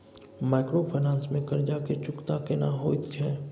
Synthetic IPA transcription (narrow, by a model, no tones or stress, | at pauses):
maːɪkɾopʰənãːnsmẽkɐɾd͡ʒaket͡ʃʊkt̪akenaɦoːit̪ʰɛː